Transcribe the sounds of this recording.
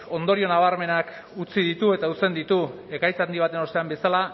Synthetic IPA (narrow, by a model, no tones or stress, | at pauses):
o̞nd̪o̞ɾio̞naβ̞aɾme̞nak | ut͡siðit̪ue̞t̪aut͡se̞nd̪it̪u | e̞kajsand̪iβ̞at̪e̞no̞st̪e̞ambe̞sala